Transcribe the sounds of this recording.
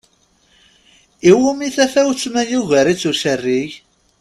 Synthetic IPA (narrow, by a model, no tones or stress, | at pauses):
iwumiθæfæwt͡sːmæjuʝæɾit͡sːusərːiʝ